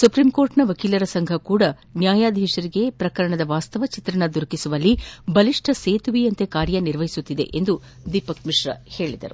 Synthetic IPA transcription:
supɾimko̞ːɾʈnɐʋɐkiːlɐɾɐsɐŋɡʱɐkuːɽɐ | njaːjaːd̪ʱɛːʃɐɾiɡe̞pɾɐkɐɾɐɳɐd̪ɐʋaːst̪ɐʋɐt͡ʃit̪ɾɐnɐd̪uɾkisuʋɐlːibɐliʂʈʰɐseːt̪uʋiɐnt̪e̞kaːɾjɐniɾʋɐɦisut̪ːid̪e̞̰ʔend̪u | d̪ipɐkmiʂɾɐ̰he̞ːɭid̪ɐ̰ɾu

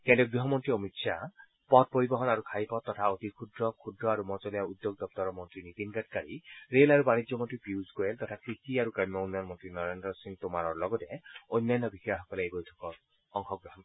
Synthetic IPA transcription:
kɛ̃ntuɡɹiɦɔmɔntɹiomitsʰa | pɔt̚poɹibɔɦɔnaɹukʰajpɔt̚ːɔtʰaot̪ikʰudɹɔkʰudɹɔaɹumɔt͡sɔlijaud̪joɡ̚d̪ɔp̚t̪ɔɹɔmɔntɹinit̪inɡat̚kaɹiɹelaɹubanid͡ʒjɔmɔntɹipjuzɡoelt̪ɔtʰakʰɹistiaɹukamjɔnɔnmɔntɹinɔɹendɹɔsiŋt̪omaɾɔɹlɔɡɔtɛojnːanːɔbixiaxɔkɔlebojtʰɔ̥kɔɹ | ɔŋxɔɡɹɔɦɔn

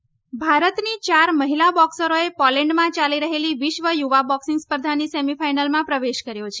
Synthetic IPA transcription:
bʱaɾət̪nit͡ʃaɾməɦilabɔksəɾoepɔlɛɳɖmãt͡ʃaliɾəɦeliʋɪʃʋəjuʋabɔksĩŋɡspəɾd̪ʱanisemifʰajnəlmãpɾəʋeʃkəɾjot͡ʃʰe

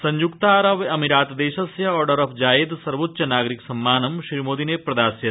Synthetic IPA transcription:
sɐɲd͡ʒukt̪aːɾɐʋɐmiɾaːt̪d̪eːʃɐsjɐɔːɾɖɐɾɐfʰd͡ʒaːjed̪sɐɾʋot̪ːʃɐnaːɡɾiksɐmːaːnɐmʃɾiːmoːd̪ineːpɾɐd̪aːsjɐ

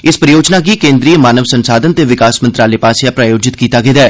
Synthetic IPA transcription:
ɪspɾəjoːd͡ʒnaːɡiːkẽːnd̪ɾiːəmaːnəʋsənsaːd̪ənt̪eːʋɪkaːsmənt̪ɾaːleːpaːsjaːpɾaːjoːd͡ʒɪt̪kiːt̪aːɡed̪aː

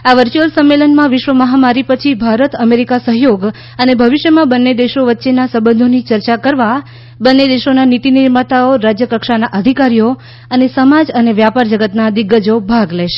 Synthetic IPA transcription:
aʋəɾt͡ʃuəlsəmːelənmãʋɪʃʋəməɦamaɾipət͡ʃʰibʱaɾət̪əmeɾikasəɦjoɡ | ənebʱəʋiʃjəmãbənːed̪eʃoʋətːʃenasəbə̃nd̪ʱonit͡ʃəɾt͡ʃakəɾʋa | bənːed̪eʃonanit̪iniɾmat̪aoɾad͡ʒjəkəkʃanaʔəd̪ʱikaɾijo | ənesəmad͡ʒəneʋjapaɾd͡ʒəɡət̪nad̪ɪɡːəd͡ʒobʱaɡleʃe̥

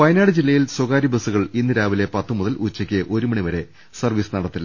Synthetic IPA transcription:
pɐjnaːɽɨd͡ʑilːɐjilswoɣaːɾibɐsuɣɐɭinːɨɾaːʋilepɐt̪ːɨmuðɐlʔut͡ɕːɐkʲːɨʔo̞ɾumɐɳiʋɐɾe̞ | sɐrʋiːsɨnɐɽɐt̪ːilːɐ

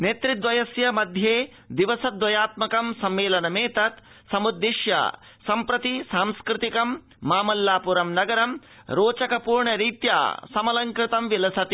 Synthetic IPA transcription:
neːt̪ɾid̪ʋɐjɐsjɐmɐd̪ʱjeː | d̪iʋɐsɐd̪ʋɐjaːt̪mɐkɐmsɐmːeːlɐnɐmeːt̪ɐt̪sɐmud̪ːiʃja̰sɐmpɾɐt̪isaːmskɾɪt̪ikɐmː | aːmɐlːaːpuɾɐmnɐɡɐɾɐmɾoːt͡ʃɐkɐpuːɾɳɐɾiːt̪ja̰ːsɐmɐlɐŋkɾɪt̪ɐmʋilɐsɐt̪i

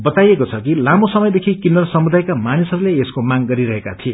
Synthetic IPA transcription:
bʌt̪ajekot͡sʰʌkilamosʌmʌjd̪ekʰikindʌrsʌmud̪ajkamanisʌɾuleeskomaŋɡʌɾiɾʌɦekat̪ʰie

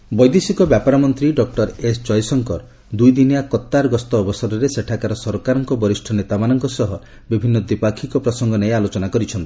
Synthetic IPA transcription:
bɔjd̪esikɔbjapaɾɔmɔnt̪ɾiɖɔk̚ʈɔɾesd͡ʒɔjsɔŋkɔɾ | d̪ujd̪inijakɔt̪ːaɾɡɔst̪ɔːbɔsɔɾɔɾeseʈʰakaɾɔsɔɾɔkaɾɔŋkɔbɔɾisʈʰɔnet̪amanɔŋkɔsɔɦɔ | bibʱinːɔd̪ipakʰikɔpɾɔsɔŋɡɔnealot͡ʃɔnakɔɾit͡ʃʰɔnt̪i̥

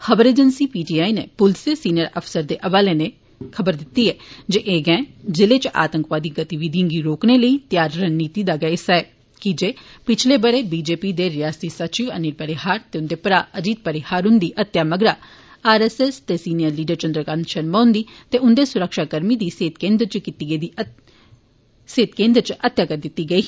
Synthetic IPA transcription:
xəbəɾeːd͡ʒənsiːpiːʈiːaːinḛːpʊlseːsiːnɪjəɾəpʰsəɾd̪eːʔəʋaːleːneː | kʰəbəɾd̪ɪt̪ːiːɛːd͡ʒeːʔeːɡɛ̃ːd͡ʒɪleːt͡ʃʔa̰ːt̪əŋkʋaːd̪iːɡət̪iʋiːd̪ʱjãːɡiːɾoːkneːləiːt̪jaːɾːənniːt̪iːd̪aːɡɛɪsaɛː | kid͡ʒeːpɪt͡ʃʰleːbəɽeːbiːd͡ʒeːpiːd̪eːɾɪjaːsiːsət͡ʃiːʋə̰nɪɾpəɾɪhaːɾt̪eːʊnd̪eːpɾaːʔəd͡ʒiːt̪̚pəɾɪhaːɾʊnd̪iːʔət̪ːjaːməɡɾaː | aːɾɛːsɛst̪eːsiːnɪjəɾliːɖəɾt͡ʃənd̪ɾəkanʃənmaːʊnd̪iːt̪eːʊnd̪eːsʊɾəkʃaːkəɾmiːd̪iːseːt̪kẽːnd̪ɾt͡ʃkit̪iːɡd̪ː | seːt̪kẽːnd̪ɾt͡ʃət̪ːjaːkəɾd̪ɪt̪ːiːɡəiː

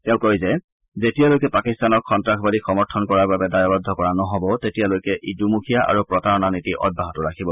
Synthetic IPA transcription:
tɛʊ̃kojzɛ | zetijalojkɛpakistanɔkxɔntɹakʰbalixɔmɔɹtʰɔnkɔɹaɹbabɛdajɔbad̪ʱːɔkɔɹanɔɦɔbɔtetijalojkɛʔidumukʰijaʔa̰ɹupɹɔtaɹɔnanitiʔɔ̰d̚bʱaɦɔtʊɹakʰibɔ

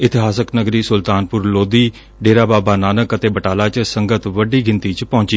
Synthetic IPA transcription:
ɪt̪ɪɦaːsəknəɡɾiːsʊlt̪aːnpʊɾloːd̪iː | ɖeːɾaːbaːbaːnaːnəkət̪eːbəʈaːlaːt͡ʃsəŋɡət̪ʋəɖiːɡɪnt̪iːt͡ʃpɔ̃ːɲt͡ʃiː

